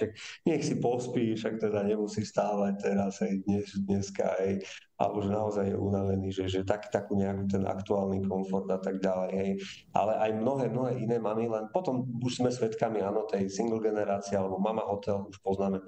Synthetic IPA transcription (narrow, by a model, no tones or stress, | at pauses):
ʃak̚ɲɛxsipɔspiːfʃakt̪ɛd̪aɲɛmusiːst̪aːʋac̚t̪ɛɾazɦɛjd̪ɲɛzd̪ɲɛska̰ɦɛj | a̰lɛbɔʒɛnaɔzajːɛʔunaʋɛniːʒɛʒɛt̪aki̥t̪akiːɲɛakuːt̪ɛna̰kt̪uaːlnikɔnfɔɾd̪at̪aɡɟalɛjɦɛj | ʔa̰lɛʔajmnɔɦɛːmnɔɦɛːʔinɛːmamilɛnpɔt̪ɔmuʒz̥mɛsʋɛt̪kamiaːnɔt̪ɛjsiŋɡl̩ˠɡɛnɛɾaːt͡siɛalɛbɔmamaɦɔt̪ɛluʃpɔznaːmɛ